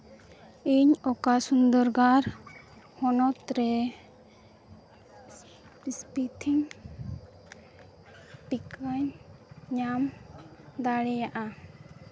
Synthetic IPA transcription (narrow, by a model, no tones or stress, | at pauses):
iɲɔkasund̪ɔɾɡaɾhɔnɔt̪ɾɛ | pispit̪ʰiŋ | ʈikaɲɲam | d̪aɽɛjaʔa